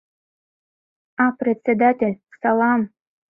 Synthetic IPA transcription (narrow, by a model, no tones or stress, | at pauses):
apɾʲɪt̪ʲsʲed̪atʲelʲsɑlˠɑm